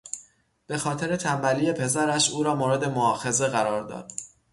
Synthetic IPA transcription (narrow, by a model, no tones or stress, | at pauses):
b̥exɒːt̪ʰe̞ɾe̞t̪ʰæmbæliːje̞pʰe̞zæɾæʃuːɾɒːmoːɾe̞d̪e̞moɒːxe̞ze̞ɣæɾɒːɾd̪ɒ̰ːd̪̥